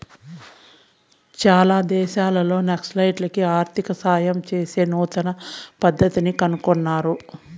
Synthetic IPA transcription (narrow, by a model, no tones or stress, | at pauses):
t͡ʃaːlaːd̪ɛːʃaːlɐlo̞ːneksʈlɐjʈlɐkiaːɾt̪ikɐsaːjɐmt͡ʃe̞ːse̞ːnuːt̪ɐnɐpɐd̪ʱːɐt̪inikɐnukonːaːɾu